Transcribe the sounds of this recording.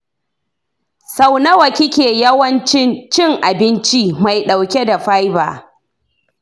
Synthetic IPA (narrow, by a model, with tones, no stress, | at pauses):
sa˨˦wnɐ˦wɐ˨kʲɪ˦kʲeː˨jɐ˦wɐ˦nt͡ʃɪ˦nt͡ʃɪ˦ŋʔa˨bɪ˦nt͡ʃi˦ma˨jɗa˨wkʲe˦da˨ɸa˦jba̰ː˨